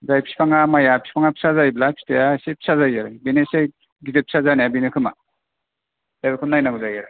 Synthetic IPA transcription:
zajpʰi̥spʰaŋamajapʰi̥spʰaŋapʰi̥sazajblapʰi̥tejasepʰi̥sazajaɾajbenese | ɡizepʰi̥sazanejabinɯkʰɯma̰ | zabɯkʰɯnːajnaɡuzajaɾa

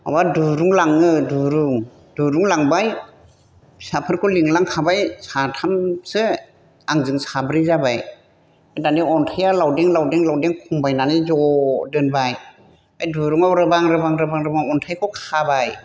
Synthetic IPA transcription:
a̰waduɾuŋlaŋɯduɾuŋ | d̥uɾuŋlaŋbaj | sapʰɯɾkʰɔliŋlaŋkʰabajsatʰamsɯ | aŋzɯŋsabɾizabaj | ajdaniɔntʰajalawdeŋlawdeŋlawdeŋkʰɔŋbajnanizɔdɯnbaj | ajduɾuŋawɾɯbaŋɾɯbaŋɾɯbaŋɾɯbaŋɔntʰajkʰɔkʰabaj

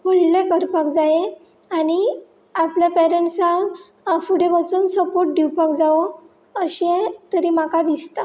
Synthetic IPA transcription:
pəɽlekəɾpak̚d͡zaje | añi | apljapɛɾəɳʈsa | fuɽebat͡suːnsəpoɾʈ̚ɖiwpakd͡zaʋo | əɕẽt̪əɾimakad̪ist̪a

